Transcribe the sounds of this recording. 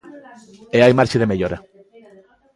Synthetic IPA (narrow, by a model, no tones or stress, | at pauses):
eajmaɾt͡ʃeðemeʎoɾa